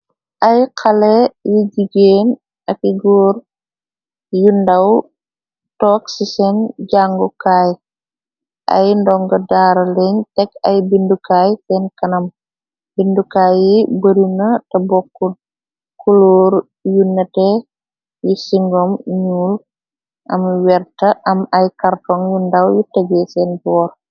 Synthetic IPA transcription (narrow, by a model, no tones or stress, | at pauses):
ʔɐjkʰɐlejiɟiɡeːn | ɐkiɡɔːɾ | jundɐw | tɔksisɛnɟaŋɡukaːj | ʔɐ̰jndɔŋɡɐdaːɾɐleɲtɛkɐjbindukajtɛnkɐnɐm | bindukaːjibəɾinɐtɐbɔkːu | kuloːɾ | junːɐtɛ | jisiŋɡɔmɲuːl | ʔɐmwɛrtɐʔɐmɐjkartɔŋjundɐwjitəɡɛsɛnbɔːr